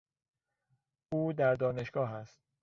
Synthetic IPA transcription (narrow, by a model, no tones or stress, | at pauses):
ʔuːd̪æɾd̪ɒːne̞ʃɡ̥ɒːɦæst̪̚